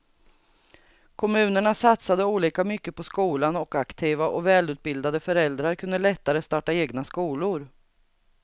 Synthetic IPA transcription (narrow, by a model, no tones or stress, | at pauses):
kʰɔmʉ̟ːnəɳasat̪sad̪əuːliːkamʏkːəpɔskuːlanɔkakt̪ʰiːvaʔɔ̰vɛːlʉ̟t̪̚bɪld̪ad̪əfœɾɛld̪ɾaɾkʰɵnd̪əlɛt̪ːaɾəst̪ɑːʈaeːɡnaskuːlʊɾ